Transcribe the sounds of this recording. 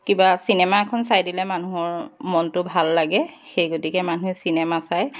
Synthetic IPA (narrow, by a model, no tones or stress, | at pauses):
kibasinɛmaɛkʰɔnsajdilɛmanuɔɹmɔntʊbʱalːaɡɛxejɡotikɛmanuesinɛmasaj